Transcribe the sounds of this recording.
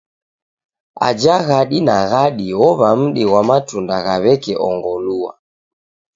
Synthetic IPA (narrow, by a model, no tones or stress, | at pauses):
a̰d͡ʒaɣaɗinaɣaɗiɔβam̩ɗiwamatundaɣaβɛkɛʔɔŋɡɔlua̰